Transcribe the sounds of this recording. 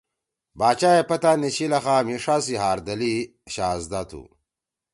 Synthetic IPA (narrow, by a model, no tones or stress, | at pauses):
baːt͡ɕaːepɐt̪anit͡ɕilɐxaːmiʂaːsiɦaːɾd̪ɐli | ɕaːzd̪at̪ʰṵ